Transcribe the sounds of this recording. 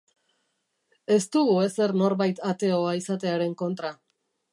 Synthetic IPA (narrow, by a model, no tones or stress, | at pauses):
e̞st̪uɣue̞se̞rno̞ɾβajt̪at̪e̞o̞aisat̪e̞aɾe̞ŋko̞nt̪ɾa